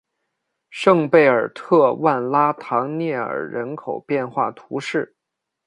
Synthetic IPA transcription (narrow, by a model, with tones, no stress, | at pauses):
ʂɤ˥˧ŋpe˥˩ɪə˞˨˩t̪ʰɤ˥˧wa˥˩nla˥t̪ʰɑ˧˥ŋnjɛ˥˩ə̰˞˨˩ɻə˧˥nkʰo˨˩ʊpjɛ˥˧nxwa˥˩t̪ʰu˧˥ʂɻ̩˥˩